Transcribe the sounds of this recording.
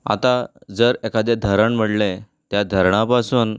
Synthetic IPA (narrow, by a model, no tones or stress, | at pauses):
a̰t̪ad͡zəɾɛkad̪ed̪ʱəɾəɳm̤əɽle | t̪jad̪ʱəɾɳapasuːn